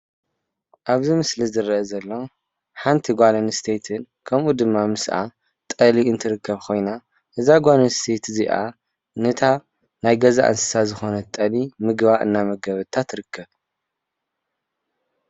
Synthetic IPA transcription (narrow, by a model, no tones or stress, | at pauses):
ʔaβzimɨslizɨɾɐʔɐzɐlːo̞ | ħant̪ʰiɡʷalɐnst̪ʰet̪ʰɨn | kʰɐmʔud̪ɨmːamɨsʔa̰ | t̪ʼɐliɨnt̪ʰɨɾɨkʰːɐβkʰo̞jna | ʔɨzaɡʷalɐnst̪ʰet̪ziʔa̰ | nɨt̪ʰa | najɡɐza̰ʔɨ̰nsɨ̥sazɨxo̞nɐt̪ʼɐlimɨɡβaʔɨ̰nːamɐɡɐβɨt̪ʰat̪ɾɨkʰːɐβ